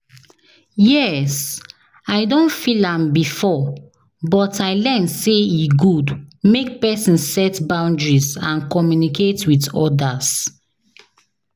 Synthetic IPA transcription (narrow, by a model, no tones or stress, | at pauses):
jɛs | aɪdõnfilãmbifɔ | bɔtaɪlɛnseiɡudmek̚pɛsĩnsɛtbãʊ̃ndɹizãnkɔmjuniketwitɔdas